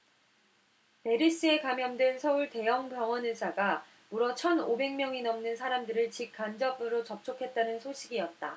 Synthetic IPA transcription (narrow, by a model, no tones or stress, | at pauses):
pe̞ɾis͈ɯe̞kamjʌndwensʰʌuɭte̞jʌŋpjʌŋwʌnɯs͈ʰaɡa | muɾʌt͡ɕʰʌnobe̞ŋmjʌŋinʌmnɯnsʰaɾamdɯɾɯɭt͡ɕik̚k͈and͡ʑʌbɯɾot͡ɕʌp̚t͡ɕʰokʰe̞t̚t͈anɯnsʰoɕʰiɡiʌt̚t͈a̰